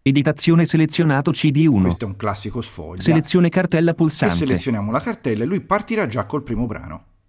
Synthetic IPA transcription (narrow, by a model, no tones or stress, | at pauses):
ed̪it̪at̪sːjoːneselet̪sːjonaːt̪ot͡ʃid̪iuːnost̪oɛuŋklasːikosfɔ̰ʎːselet̪sːjoːnekart̪ɛlːapulsa̰snːelet̪esjonjaːmolakart̪ɛlːelːujpart̪iɾad͡ʒakːolpɾiːmobɾa̰ːno̰